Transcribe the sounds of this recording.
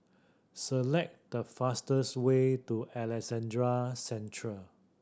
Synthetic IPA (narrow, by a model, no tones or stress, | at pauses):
səlɛk̚d̥əfastəswetuɛlɛsɛ̃ndɹasɛ̃ntʰɹə